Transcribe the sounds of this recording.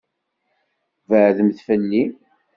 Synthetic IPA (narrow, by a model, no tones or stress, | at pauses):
vəʕðəmθfəlːi